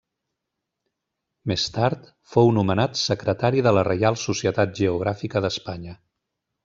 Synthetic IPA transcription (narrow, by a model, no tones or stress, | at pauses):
mest̪aɾt̪ | fownumənat̪səkɾət̪aɾiðələrəjalˠsusiət̪at̪̚ʒəuɣ̞ɾafikəðəspaɲə